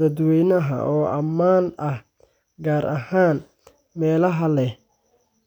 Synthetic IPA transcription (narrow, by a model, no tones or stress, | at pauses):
ɐd̪wɛjnɐɦɐ̰ʔɔːʔɐmaːnɐh | ɡaːɾʔɐhaːn | mɛːlɐɦɐlɛ